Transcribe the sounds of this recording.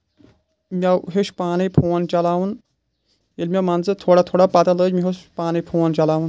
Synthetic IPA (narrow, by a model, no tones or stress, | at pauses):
mʲaɦeʃpaːnijpʰoːnt͡ʃɐlaːwun | jelmʲamɐnzɨt̪ʰoːɽat̪ʰoːɽapɐt̪ɐləːd͡ʒmiɦospaːnijpʰoːnt͡ʃɐlaːʋun